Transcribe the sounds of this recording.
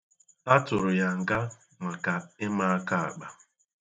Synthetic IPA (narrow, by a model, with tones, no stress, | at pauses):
a˦tʊ˨ɾʊ˨ja˨ŋ̩˨ɡa˦ | ŋa˨ka˨ɪ˦ma˦a˦ka˨a̰˨k͡pa˨